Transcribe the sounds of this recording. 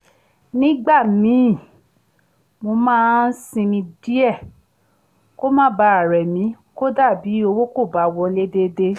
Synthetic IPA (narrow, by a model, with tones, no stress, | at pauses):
nĩ˦ɡ͡ba˦˨mĩ˨˦˨ | mo˧mãː˦n̩˦sĩ˧mĩ˧di˦ɛ˦˨ | ko˦mãː˦ba˧˦a˨ɾɛ˨mĩ˨˦ | ko˦da˦˨bi˨˦o˧wo˦ko˦˨ba˨˦wɔ˧le˦de˧de˧